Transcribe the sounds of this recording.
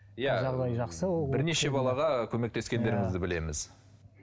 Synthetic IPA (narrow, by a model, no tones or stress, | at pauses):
jæʒɑʁd̪ɑjʒɑqsəbbɪɾne̞ʃe̞bɑlˠɑʁɑkʲʰɵme̞k̚t̪e̞skʲe̞nd̪e̞ɾɪŋɪzd̪ɪbɪle̞mɪz̥